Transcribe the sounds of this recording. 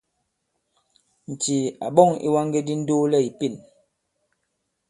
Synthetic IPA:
n̩˨ti˨a˨ɓɔ˦˨ŋḭ˦wa˦ŋɡe˦di˦n̩˦do˦lɛ˦˨i˨pi˦˨n

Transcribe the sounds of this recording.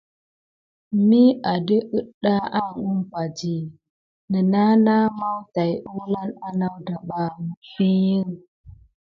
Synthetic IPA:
mi˦a˨də˦ʔə˦ɗa˦ʔa˦˨ŋu˦mpa˨d͡ʒi˨ | nə˨na˦na˦ma˦wta˨ju˦la˦na˦na˦wda˨ɓa˦m˨fi˦ji˦ŋ

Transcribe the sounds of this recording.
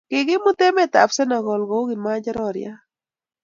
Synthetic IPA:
kɪ˨ɡɪ˦mʊ˦t̪ɛ˦mɛ˦t̪a̰˨psɛ˦na˨ɡɔ˨lɡo˨˦ɡɪ˨ma˦d͡ʒa˦ɾɔɾj̰a˦

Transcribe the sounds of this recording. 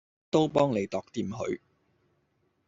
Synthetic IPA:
t̪o˥wpɔː˥ŋne˨˧jt̪ɔː˨˧k̚t̪iː˧mɦɵ̰˨˧˥ɥ

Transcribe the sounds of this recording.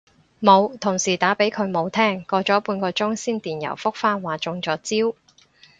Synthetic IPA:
mo˨˧wt̪ʰʊ˨˩ŋsiː˨˩t̪aː˨˥pe˨˥jkʰɵ˨˧ɥmo˨˧wt̪ʰɛː˥ŋkɔː˧t͡ʃɔː˨˥puː˧nkɔː˧t͡sʊ˥ŋsiː˥nt̪iː˨˩njɐ̰˨˩wfʊ˥k̚faː˥nwaː˨t͡sʊ˨˧ŋt͡sɔː˨˥t͡siː˥w

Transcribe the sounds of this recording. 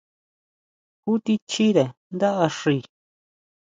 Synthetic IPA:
ku˦t̪i˧t͡ʃi˦ðe˨nd̪a˦ʔa˧ʂi˨˧˨

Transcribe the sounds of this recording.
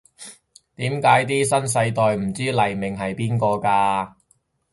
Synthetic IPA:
t̪iː˨˥mkaː˨˥jt̪iː˥sɐ˥ns̬ɐ˧jt̪ɔː˨jm̩˨˩t͡siː˥lɐ˨jmɪ˨ŋɦɐ˨jpiː˥nkɔː˧kaː˧

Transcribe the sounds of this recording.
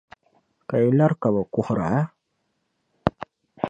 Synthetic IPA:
ka˨i˨la˦ɾka˨ba˨kʊ˦hɾa˨˦

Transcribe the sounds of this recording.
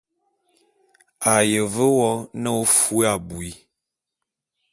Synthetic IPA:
a˨jə˨və˦wɔ˦nə˦o˦fu˦a˨bu˨i˦

